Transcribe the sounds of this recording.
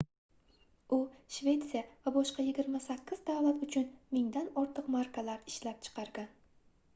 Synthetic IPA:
ʊʃve̞t̪sijavabɒʃqɑjɪɡʲɪɾmasakʲʰːɪzd̪avlat̪ʊt͡ʃʰʊnmɪŋd̪anɒɾt̪ʰɨqmaɾkʰalaɾɪʃlap̚t͡ʃʰɨ̥qʰɑɾɡʲan

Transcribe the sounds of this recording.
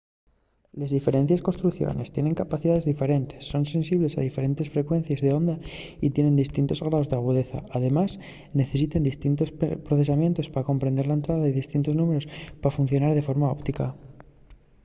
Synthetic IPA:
lezðife̞ɾe̞nθjesko̞nst̪ɾuθjo̰ne̞st̪je̞ne̞ŋkapaθiðaðe̞zðife̞ɾe̞nt̪e̞̥sːo̞nse̞nsiβle̞saðife̞ɾe̞nt̪e̞sfɾe̞kwe̞n̟θjazðeo̞nd̪ait̪je̞ne̞nd̪ist̪int̪o̞zɣɾaozðeaɣ̞uð̞e̞θa̰aðe̞mas | ne̞θe̞s̬it̪end̪ist̪int̪o̞spɾoθe̞samje̞nt̪o̞spaɾako̞mpɾend̪e̞ɾlae̞nt̪ɾaðaiðist̪int̪o̞znũme̞ɾo̞spaɾafunθjo̞naɾð̞e̞fo̞ɾmao̞pt̪ika

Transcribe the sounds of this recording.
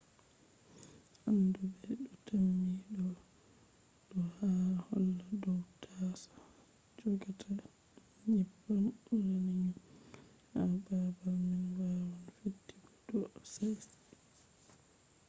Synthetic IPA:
ʔandubɛɗɔtʰamːiɗɔ | ɗɔhahɔlːadɔwtʰasḁ | d͡ʒɔɡatʰa | ɲipːanɾaniɲ | hababaminwawanfitːiɡɔdɔɔsajs

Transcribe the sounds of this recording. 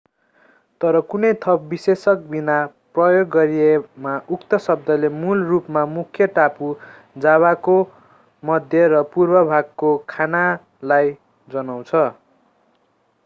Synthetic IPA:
t̪ʌɾʌkunʌjt̪ʰʌp̚bisesʌk̚binaprʌjoɡːʌɾiemaʔukt̪ʌsʌb̚d̪ʌlemulrupmamukʰjʌʈapu | d͡zaβako | mʌd̪ʱjʌɾʌpurbʌbʱaɡ̚kokʰana | laj | d͡zʌnaw̃t͡sʰʌ

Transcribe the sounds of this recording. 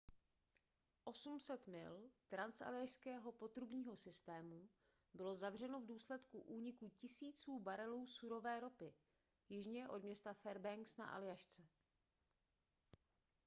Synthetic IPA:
ʔo̞sumsɛt̪mɪ̰lt̪ɾansa̰lɪjaʃskɛːɦo̞po̞t̪ɾubɲiːɦo̞sɪst̪ɛːmu | bɪlo̞zavr̝ɛno̞vduːslɛt̪kuʔuːɲɪkucɪsiːt͡suːbaɾɛluːsuɾo̞vɛːɾo̞pɪ | jɪʒɲɛʔo̞dmɲɛst̪afɛɾbɛŋksna̰ʔa̰lɪjaʃt͡sɛ

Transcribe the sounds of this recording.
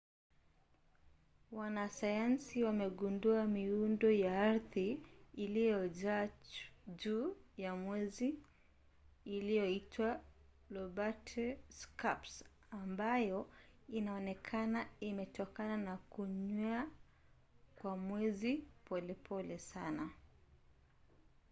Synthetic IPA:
wanasajansiwamɛɡunduamiundɔjaaɾθiːlijɔʄa | ʄuːjamwɛzi | lijɔitwa | lɔbatʰɛskaps | ambajɔinaɔnɛkʰanaimɛtɔkananakuɲɔa | kwamwɛzipɔlɛpʰɔlɛsana

